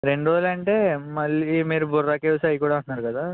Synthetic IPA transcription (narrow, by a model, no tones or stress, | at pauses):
ɾe̞ɳɖɾoːd͡ʒlɐɳʈeːmɐlːimiːɾuburːaːkeʋsɐjikuːɽaːɐɳnaːɾukɐd̪aː